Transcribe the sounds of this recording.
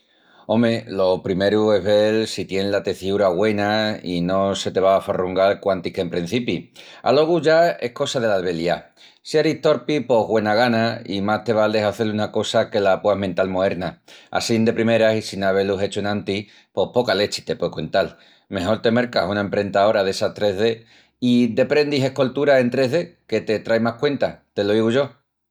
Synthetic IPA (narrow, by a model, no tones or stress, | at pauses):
õ̞me̞lo̞pɾime̞ɾue̞ɦβe̞lsit̪je̞nlat̪e̞θiuɾaɣwe̞naino̞se̞t̪e̞β̞aːfaruŋɡalkwant̪ihke̞mpɾin̟θipi | a̰lo̞ɣ̞uʝae̞hko̞saðe̞laðeβe̞lia | siaɾiht̪o̞ɾpipo̞ɦɣwe̞naɣanaimaht̪e̞β̞ald̪eɦaθe̞lunako̞sake̞lapwaɦment̪almoe̞ɾnaa̰sind̪e̞pɾime̞ɾasisinaβ̞e̞luɦe̞t͡ʃoenãnt̪i | po̞hpo̞kale̞t͡ʃi̥t̪e̞pwekwe̞nt̪al | me̞ɦo̞ɾt̪e̞me̞ɾkasunaempɾe̞nt̪ao̞ɾaðe̞sat̪ɾe̞ɦðe̞ | id̪e̞pɾe̞nd̪iɦe̞hko̞lt̪uɾae̞nt̪ɾe̞ɦðe̞ke̞t̪e̞t̪ɾajmahkwe̞nt̪at̪e̞lo̞iɣuʝo̞